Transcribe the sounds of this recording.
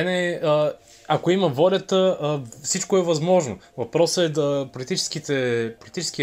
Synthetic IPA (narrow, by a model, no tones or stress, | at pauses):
ɛnɛə | akoiməvɔlʲɐt̪əfsit͡ʃkoɛvɐzmɔʒno | vɐpɾɔsəɛd̪əpolit̪it͡ʃɛ̥skit̪ɛpolit̪it͡ʃɛ̥ski